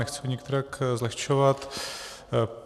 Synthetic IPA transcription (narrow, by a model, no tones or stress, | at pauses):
ɛxt͡sɛɲɛk̚t̪ɛɾakzlɛxʃovat̪